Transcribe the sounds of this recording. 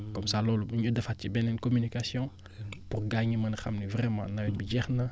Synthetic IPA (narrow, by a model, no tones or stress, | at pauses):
kɔmsaːlɔːluɲudɐfacibɛnɛnkɔmynikasjɔ̃ | purɡaɲimɐnxɐ̰mnivrɛmã̰nɐwɛbiɟɛxnɐ